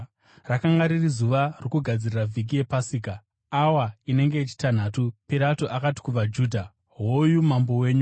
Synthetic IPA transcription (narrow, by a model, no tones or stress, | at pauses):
rakaŋɡaɾirizuʋarikuɡʱad͡ziriravʱik̬ije̞pasiːka | awaine̞ŋɡe̞it͡ʃi̥tan̤atupiɾatoʔakati̥kuvad͡ʒuːdʱa | ɦojumambo̞we̞ːɲu